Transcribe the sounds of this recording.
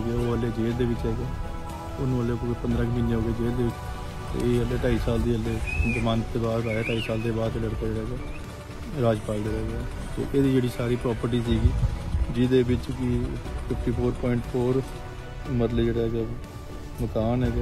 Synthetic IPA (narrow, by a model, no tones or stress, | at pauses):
oɡeoːʋəlːeːd͡ʒeːld̪eːʋɪt͡ʃɦɛːɡɛː | ʊnəleːkːkepənd̪ɾãːkːmɪnẽɦoːɡeːd͡ʒeːld̪eːʋɪt͡ʃ | t̪ḛeːəlːeːʈaːiːsaːld̪iːəlːeːmãnt̪eːbaːɾaːeːʈaːiːsaːld̪eːbaːɾt̪ːləɽk̪aːd͡ʒeːɽaɦɛːɡaː | ɾaːd͡ʒpaːld̪eːɾɛːɡaː | t̪ḛːʔeːd̪iːd͡ʒeːɽiːsaːɾiːpɾɔːpəɾʈiːs̬iːɡiːd͡ʒɪd̪eːbɪt͡ʃkɪpʰɪpʰʈiːpʰoːɾpɔːɪɳʈpʰoːɾ | mət̪ləd͡ʒeːɽaːɦɡaː | məkaːnɦɛːɡ